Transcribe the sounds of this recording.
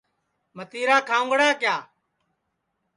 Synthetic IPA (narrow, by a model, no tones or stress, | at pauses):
mət̪iːɾaːkʰaːʊ̃ŋɡɽaːkjaː